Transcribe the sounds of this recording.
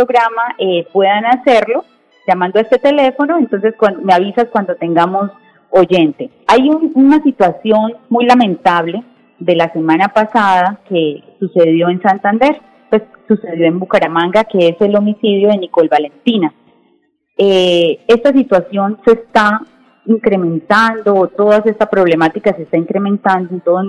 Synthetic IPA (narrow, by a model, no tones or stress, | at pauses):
pɾoɣɾamaʔepwe̞ðanase̞ɾlo̞ | d͡ʒamãnd̪o̞e̞st̪e̞t̪e̞le̞fo̞no̞e̞nt̪o̞nse̞skwand̪omeaβisaskwand̪o̞t̪e̞ŋɡamo̞s | o̞d͡ʒe̞nt̪e̞ | ajununasit̪wasjo̞nmujlamẽ̞nt̪aβle̞ | d̪e̞lase̞mãnapasaðake̞suse̞ðjo̞ensant̪and̪e̞ɾ | pwe̞ssuse̞ðjo̞e̞mbukaɾamãŋɡake̞ese̞lo̞misiðjo̞ðe̞niko̞lbale̞nt̪ina | ee̞st̪asit̪wasjo̞nse̞st̪a | iŋkɾe̞mẽ̞nt̪and̪o̞ːt̪o̞ðase̞st̪apɾo̞βle̞mat̪ikasest̪aiŋkɾe̞mẽ̞nt̪and̪oent̪oðo